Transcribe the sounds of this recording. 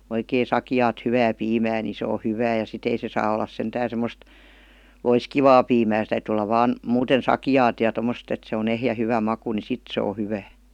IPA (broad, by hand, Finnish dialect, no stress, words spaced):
oikeː sɑkĭjɑːt hyʋæː piːmæː ni se o hyʋæː jɑ sit ei se sɑː olːɑs sentæːn̞ semˑost loiskiʋɑː piːmæː se tæytyˑ olːɑ ʋɑːn muːten sɑkijɑːt jɑ tomːost et se on ehjæ hyʋæ mɑku ni sit se o hyʋæː